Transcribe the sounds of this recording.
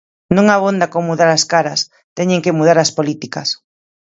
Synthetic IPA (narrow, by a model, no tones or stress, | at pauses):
nũŋaβond̪akomuðaɾaskaɾɐs | t̪ɛɲẽŋkemuð̞aɾaspolit̪ikɐs